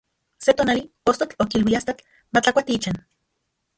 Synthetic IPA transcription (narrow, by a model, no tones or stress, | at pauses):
set̪oːnali | ost̪ot͡ɬokilwiast̪at͡ɬ | mat͡ɬakʷat̪iit͡ʃan